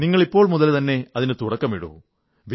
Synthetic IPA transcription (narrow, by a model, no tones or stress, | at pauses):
niŋːɐɭipːo̞ːɭmuðɐlt̪ɐnːe̞ɐðinɨt̪uɽɐkːɐmiɽṵɣum | ʋi